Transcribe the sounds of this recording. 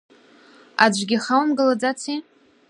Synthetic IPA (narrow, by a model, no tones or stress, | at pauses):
ad͡ʒʷɡʲɪχawmɡɨlad͡zat͡sʰi